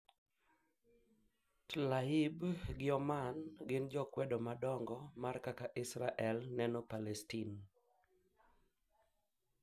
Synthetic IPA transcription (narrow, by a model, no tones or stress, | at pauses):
tlaibɡɪɔmanɡɪnd͡ʒɔkwɛdomadɔŋɡɔmarkakaʔɪsɾaʔɛlnɛnopalɛstin